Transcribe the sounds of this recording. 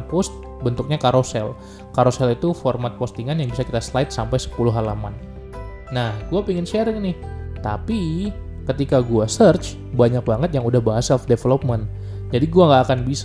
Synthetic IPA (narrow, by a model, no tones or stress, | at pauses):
npɔst̪̚ | bənt̪ʊk̚ɲakaɾosɛl | kaɾosɛlit̪uformat̪̚post̪iŋanjaŋbisakit̪aslajt̪̚sampajsə̥pulʊɦalamanː | ahɡuapiŋɪnʃɛɾɪŋnɪht̪apikət̪ikaɡuasərt͡ʃ | baɲak̚baŋət̪̚jaŋudahbaɦasɛlfdefelop̚mən | d͡ʒadiɡuaŋɡaːkanbis